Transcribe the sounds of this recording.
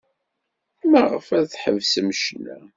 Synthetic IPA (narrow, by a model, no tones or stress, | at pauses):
mæʁəfæðθħə̰vsəmʃnæ